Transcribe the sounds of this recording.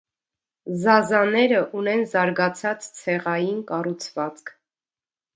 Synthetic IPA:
zɑzɑnɛɾəʔunɛnzɑɾɡɑt͡sʰɑt͡st͡sʰɛʁɑjinkɑrut͡sʰvɑt͡skʰ

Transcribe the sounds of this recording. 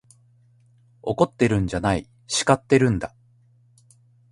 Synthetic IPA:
o̞ko̞t̪ːe̞ɾɯ̟̃ɲ̟d͡ʑanai | ɕi̥kat̪ːe̞ɾɯ̟̃nd̪a

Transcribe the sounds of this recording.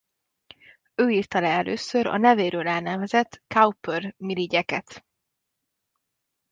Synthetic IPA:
øːiːrt̪ɒlɛɛlʔø̰ːsøɾɒ̰nɛveːɾøːlɛlnɛvɛzɛt̪ːkaupørmiliɟɛkɛt̪

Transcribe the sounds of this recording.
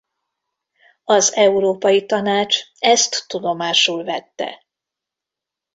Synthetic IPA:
ɒzɛuɾoːpɒjit̪ɒnaːt͡ʃɛst̪ːud̪o̞maːʃuːlvɛt̪ːɛ̰

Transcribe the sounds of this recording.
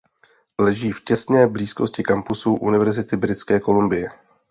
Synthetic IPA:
lɛʒiːfcɛst̪nɛːbliːskoscɪkampusuʔunɪvɛɾzɪt̪ɪbɾɪt̪t͡skɛːko̞lumbɪjɛ

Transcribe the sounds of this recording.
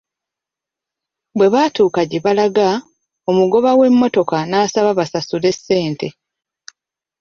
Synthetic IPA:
bwe̞βaːtuːkaɟeβalaɡa | o̞muɡo̞βawe̞mːo̞to̞kanaːsaβaβasasule̞sːe̞ːnte̞

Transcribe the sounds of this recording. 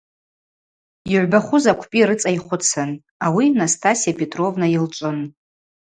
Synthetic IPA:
iʕʷbaχʷʊzakʷʰpʼiɾɨt͡sʼajχʷʊt͡sʰɨn | awinastʰasijapʰʼe̞tʼro̞vnailt͡ʃʷʼʊn

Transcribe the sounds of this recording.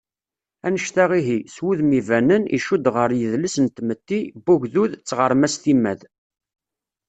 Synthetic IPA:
ænəʃt̪æʁiɦiswuðmivænənḭʃud̪ʁəɾjəðləsənt̪mət̪ːibuʝðuðt͡sːʁəɾˤmæsθimːæð

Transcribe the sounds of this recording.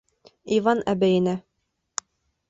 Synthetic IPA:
ivɑnʔæbæjɘ̆næ

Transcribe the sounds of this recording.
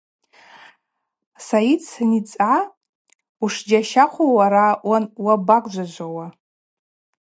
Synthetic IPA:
sait͡ssanit͡sʼa | uʂd͡ʒaʃaχʷowaɾawanwabakʼd͡ʒʷad͡ʒʷawa

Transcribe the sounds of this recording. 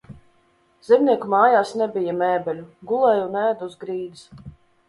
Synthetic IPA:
z̥ʲɛmnʲiɛkumaːjaːsnɛbʲijamɛːbʲɛlʲuɡulˠɛjunæːd̪uːzɡɾiːd̪is

